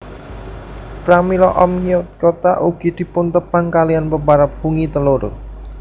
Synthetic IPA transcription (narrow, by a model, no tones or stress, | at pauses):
pɾamilɔʔɔmɲiʊt̪̚kot̪aʔuɡ̥id̪̥i̤pʊnt̪əpaŋkalijanpəmbaɾap̚fuŋit̪əloɾo̰